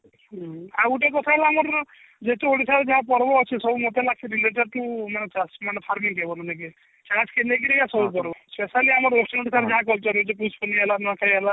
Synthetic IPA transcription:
auʈekɔt̪ʰalaːmɔɾ | d͡ʒet̪eoɽisaɾd͡ʒaɦãpɔɾbɔːt͡ʃʰisɔbumot̪elakʰiɾileʈəɖ̚ʈumanet͡ʃasmanepʰaɾmiŋkebɔnaneke | t͡ʃãt͡ʃkʰelek̬iɾikasɔbupɔɾbɔspesaliamɔɾosʈɔnʈisaɾd͡ʒaɦãk̬ɔlt͡ʃɔɾut͡ʃʰeput͡ʃpɔnielanɔkʰajala

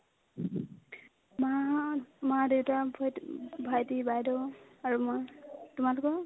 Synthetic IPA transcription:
maamadewtabbʱajtibajdɔaɹumtumalʊkɔ

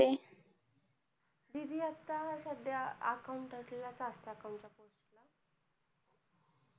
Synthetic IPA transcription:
e | d̪id̪ʱiat̪ːasad̪ʱjaə̰kauɳʈaʈ̪lelat͡sasʈ̪aːkauɳʈt͡ɕaposʈla

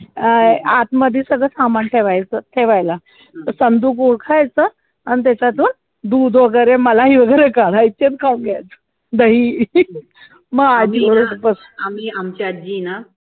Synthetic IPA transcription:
at̪məd̪ʱjisəɡɭəsamant̪ʰeʋajt͡sət̪ʰeʋajla | əsənd̪uːkuɽkʰajt͡sə | anit̪̬at͡ɕat̪uːn | d̪uːd̪ʋəɡəɾeməlaɦiːʋəɡəjɾekaɽaitet͡s̪kʰaũɡajt͡sə̥ | d̪əɦiː | məɡad͡ʑiːoɽəəpəs | amiamt͡ɕead͡ʑiːna

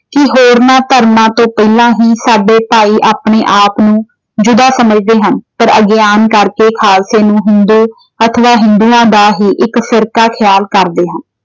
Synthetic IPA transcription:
kɪɦoːɾnãːt̪əɾmãːt̪õːpɛːlãːɦiːsaːɖeːpaːiːʔaːpɳeːʔaːpnũː | d͡ʒʊd̪aːsəməd͡ʒd̪eːɦənpəɾəɡeaːnkəɾkeːkʰaːlseːnũːɦɪnd̪uː | ət̪ʰəʋaːɦɪ̃nd̪uːãːd̪aːɦiːʔɪkfɪɾkaːkʰɪjaːlkəɾd̪eːɦən

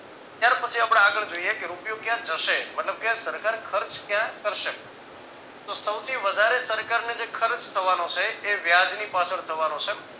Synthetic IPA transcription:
t̪jaɾpət͡ʃʰiapɽ̃eaɡəɭd͡ʒoijekeɾupijokjãd͡ʒəʃebətləʋkjãsəɾkaɾkʰəɾt͡ʃkjãkəɾʃe | t̪osəwt̪ʰiʋəd̪ʱaɾesəɾkaɾned͡ʒekʰəɾt͡ʃt̪ʰəʋanõt͡ʃʰeːʋjad͡ʒnipat͡ʃʰəɭt̪ʰəʋanõt͡ʃʰe

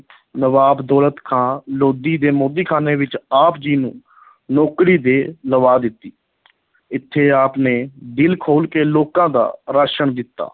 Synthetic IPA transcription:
nəʋaːbd̪ɔːlət̪kʰãːloːd̪iːd̪eːmoːd̪iːkʰaːneːʋɪt͡ʃaːpd͡ʒiːnṵ̃ː | nɔːkɾiːd̪eːləʋaːd̪ɪt̪ːiː | ɪt̪ʰːeːaːpneːd̪ɪlkʰoːlkeːloːkãːd̪a̰ːɾaːʃəɳd̪ɪt̪ːa̰ː

